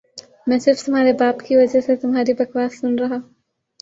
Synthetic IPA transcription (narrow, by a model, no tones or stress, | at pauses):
mɛ̃ːsɪɾft̪ʊmɦaːɾebaːpkiʋɐd͡ʒəset̪ʊmɦaːɾibɐkʋaːsːʊnɾɐɦaː